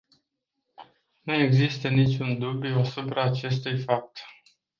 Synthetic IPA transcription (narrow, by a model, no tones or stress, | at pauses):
nue̞ɡzist̪ənit͡ʃʲund̪ubjuasupɾaːt͡ʃe̞st̪ujfap̚t̪